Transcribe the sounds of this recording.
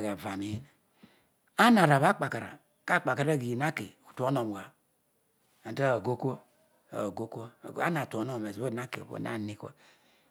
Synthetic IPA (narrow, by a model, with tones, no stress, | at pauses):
ɡa˨va˨mi˨˦˨ | a˦na˨ɾa˨βa˦k͡pa˨ka˨ɾa̰˨ | ka˦˨k͡pa˨ka˨ɾa˦˨ɡi˨na˦ke˨u˨tu˨o˦no˨m˨ɡa˨ | a˨ta˦o˨ɡo˦ko̰˦˨ | ɡo˦ko˦˨a̰˦na˨tʷo˨˦no˦m˨me˨zo˦˨na˦kḛ˨bo̰˨na̰˦˨ni˦kʷo̰˦